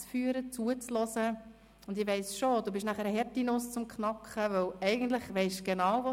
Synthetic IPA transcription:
t͡sfyːəɾət͡suət͡slɔsə | ʊnd̪ɪʋɛɪsʃod̥uːbɪʃnæχəɾəɦɛɾtinʊst͡sʊmkχnɑkχəʋœwɛɪɡ̥ən̩t̪ləχʋɛɪʃɡ̥enɑwvo

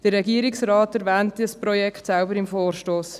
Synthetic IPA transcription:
d̥ərːɛɡiəɾɪksrɑːtæɾvɛːntiəsprɔjɛkχtsɛlbəɾɪmfoːrʃtoːs

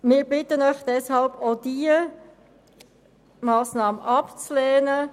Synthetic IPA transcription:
mɪːɾbɪtənœʏχd̥ɛshɑlbod̥iə | mɑːsnɑːməʔɑpt͡slɛːnə

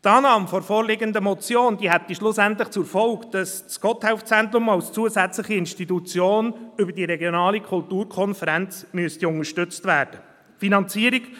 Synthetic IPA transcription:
t̪ɑːnɑːmfɔɾfɔːɾlɪɡəndəmɔt͡sjoːnd̥̪iːhɛt̪iʃlʊsænt̪ləχt͡sufɔlkd̥ɑs | sɡ̥ɔt̪hɛʊft͡sɛnt̪ɾʊmɑʊst͡suːəzæt͡sləχiɪnʃtitut͡sjoːnʏbəɾdiɾɛɡjonɑːlikʰʊltuːɾkʰɔnfəɾænt͡smyəst̪iʊŋəʃtʏt͡stvæːd̥ə | finɑnt͡siːɾik

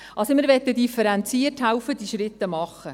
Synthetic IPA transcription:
ɑlsomɪːɾʋɛt̪ːədifəɾɛnt͡siərtɦæwfəd̥̪iʃɾɪt̪ːəmɑχːə

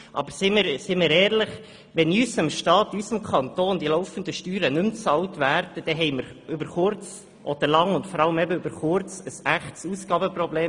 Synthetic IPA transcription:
ʔɑ̰bəɾsɪməɾsɪməɾɛːɾləχ | ʋɛnysəmʃtɑːt̪ysəmkʰɑnt̪oːnd̥̪ilɔʊfən̩d̪əʃtyːɾənɵmt͡sɑltvæːɾd̥əd̥ɛɦɛɪməɾʏbəɾχʊɾt͡s | ʔod̥̪əlɑŋʊntfɔɾɑləmɛbəʏb̥əɾχʊɾt͡səsæχtsusɡ̥ɑːbəprɔbleː

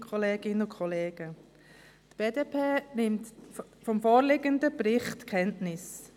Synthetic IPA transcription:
kʰɔleːɡ̥ɪnəʊkʰχɔleːɡ̥ə | tb̥eːdeːpʰeːnɪmtfɔmfoːɾlɪɡəndəbɾɪχtkʰɛntnɪs

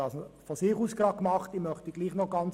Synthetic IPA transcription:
ɑːsfɔsɪːχusɡ̥ʁɑːkmɑχtimœχtəɡliːχnɔɡ̥ɑnt͡s

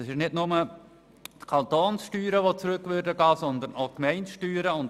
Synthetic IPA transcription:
ɑsɪʃnɪtnʊmə | tkʰɑnt̪oːnsʃtyːɾəʋot͡sɾʏkʋʏɾdəɡɑːsɔnd̪ənoʊkmɛɪntʃtyːɾəʊnt

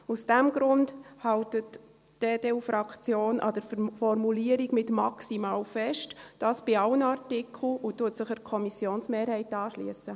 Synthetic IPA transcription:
usd̥ɛmɡ̥ɾʊndhɑwtət | d̥eːdeufɾɑkt͡sjoːnʔɑ̰dəɾfɔrmuliəɾiɡmɪtmɑksimɑːlfɛʃtd̥ɑːsb̥ɪɑwənɑrtikʰl̩ʊtːuətsɪχəɾkʰɔmisjoːnsmeːɾhɛɪtɑːʃlḭəsə

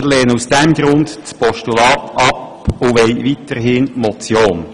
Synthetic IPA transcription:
lɛːnusd̥ɛmɡ̥ɾʊnd̪t͡spɔʃtulɑːt̪ɑp | ʊʋɛɪʋit̪əɾɦɪnmɔt͡sjoːn

